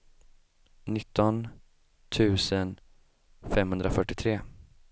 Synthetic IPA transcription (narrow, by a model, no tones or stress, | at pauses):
nɪt̪ʰːɔn | t̪ʰʉ̟ːsən | fɛmɦɵnd̪ɾafœʈːɪt̪ʰɾeː